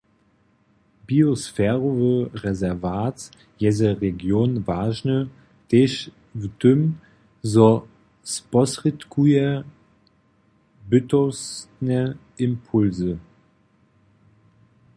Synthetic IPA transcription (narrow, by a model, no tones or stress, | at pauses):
biosfɛːʁovəʁɛzɛɐvaːt͡s | jɛzəʁeɡjoːnvaːʒnə | d̥eːʃ | vdʏm | zɔ | spɔsʁitkʰuə | bʏtɔsnə | ɪmpʰʊlzə